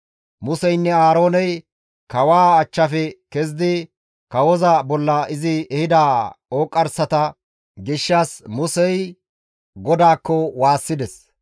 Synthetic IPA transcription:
mʊsɛjnːɛaːɾo̞ːnɛj | kɐwaːɐt͡ʃːɐfɛkɛz̬d̪ɪ | kɐwɔzɐbɔlːɐɪzɪɛhɪd̪aːoːkʼːɐɾsɐt̪ɐ | ɡɪʃːaːsmʊsɛj | ɡɔd̪aːkːɔwaːsːɪd̪ɛs

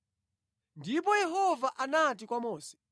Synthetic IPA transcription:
ndip̬ɔjɛɦɔvaʔanat̬ikwamɔːsɛ̥

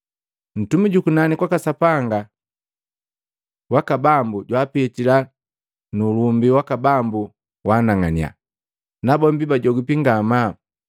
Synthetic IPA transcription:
n̩tumiɟukunanikwakasapaŋɡa | wakabambuɟwaːpɛtila | nulumbiwakabambu | waːnaŋania̰ | nabɔmbibaɟɔɡupiŋɡama

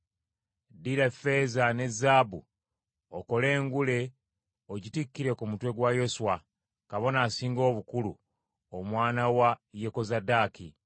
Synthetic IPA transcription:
diɾafe̞zane̞zaːbṵ | oko̞le̞ːŋɡule̞ | oɟitikːiɾe̞kumutwe̞ɡwajo̞swa | kaβo̞naːsiːŋɡo̞ːβukulṵ | omwaːnawajeko̞zadaːki

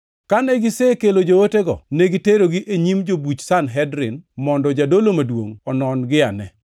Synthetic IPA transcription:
kanɛɡɪsekelod͡ʒooteɡɔ̰nɛɡiteɾoɡiʔeɲimd͡ʒobut͡ʃsanɦɛdɾɪ̰nmɔndɔd͡ʒadolomadwo̰ŋɔnɔnɡɪa̰nɛ

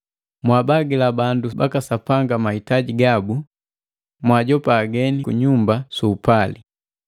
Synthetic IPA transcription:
mwabaɡilabanduba̰kasapaŋɡamahitaɟiɡabu | mwaɟɔpaːɡɛnikuɲumbasuːpali

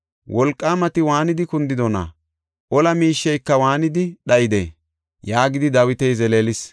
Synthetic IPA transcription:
wɔlkʼːaːmɐt̪ɪwaːnɪd̪ɪkʊnd̪ɪd̪ɔnɐ̰ | ʔɔlɐmiːʃːɛjkːɐwaːnɪd̪ɪɗɐjɪd̪ḛː | jaːɡɪd̪ɪd̪ɐwɪt̪ɛjzɛleːlɪs

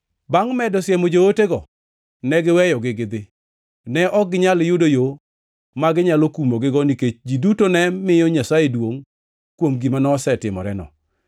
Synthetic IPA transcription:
baŋmɛdɔsjɛmod͡ʒooteɡɔ | nɛɡɪwɛjɔɡɪɡɪd̪ɪ | nɛʔɔɡɪɲaljudojo | maɡɪɲalokumoɡɪɡɔniket͡ʃd͡ʒidutonɛmɪjɔɲasajedwoŋ | kwomɡimanɔːsɛtɪmɔ̰ɾɛ̰nɔ̰

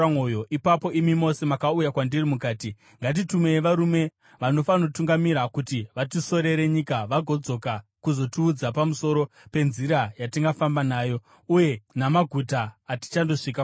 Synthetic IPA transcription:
mojo̞ʔipapo̞ʔimimo̞se̞makaujakwandirimukaːti | ŋɡat̬itume̞ʋaɾume̞ | ʋano̞fanotuŋɡamiɾakutiʋatiso̞ɾe̞ɾe̞ɲikaʋaɡʱo̞d͡zo̞kakuzo̞tiːd͡zapamuso̞ɾo̞ | pe̞nziɾajatiŋɡafambanaːjo̞ | uje̞namaɡʱutaːti̥t͡ʃando̞ʂika

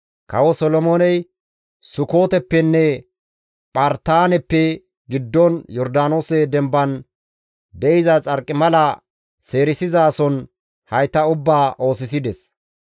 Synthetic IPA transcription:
kɐwɔsɔlɔmoːnɛj | sʊko̞ːt̪ɛpːɛnːɛ | pʼɐɾt̪aːnɛpːɛ | ɡɪd̪ːɔnjɔɾd̪aːno̞ːsɛd̪ɛmbɐn | d̪ɛɪzɐt͡sʼɐɾkʼːɪmɐlɐ | se̞ːɾɪsɪzaːsɔn | hɐjt̪ːɐʊbːaːʔo̞ːsɪs̬ɪd̪ɛs

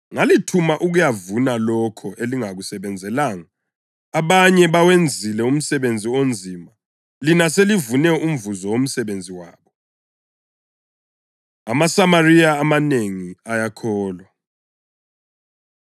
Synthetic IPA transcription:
ŋalitʰumaʔuɣujavunalɔkʰɔʔeliŋaɣusɛβɛnd͡zʱɛlaŋaː | βaɲɛβawend͡zʱilɛum̩sɛβend͡zʱiond͡zʱiːma | linaselivunɛum̩vuzɔwom̩sɛβend͡zʱiwaːβɔ | amasamariaːmaneŋiajakʰɔːlwa

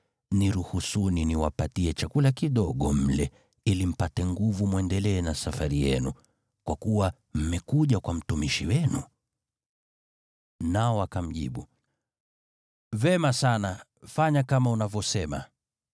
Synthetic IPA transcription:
niɾuhusuniniwa̰patiɛt͡ʃakulakiɗɔɠɔm̩lɛ | ilim̩patɛŋɡuvumwɛndɛlɛːnasafaɾijɛ̰nu | kwakuwa | m̩mɛkuʄakwam̩tumiʃiwɛnu | naɔwakam̩ʄḭɓu | vɛmasana | faɲakamaunavjɔsɛma̰

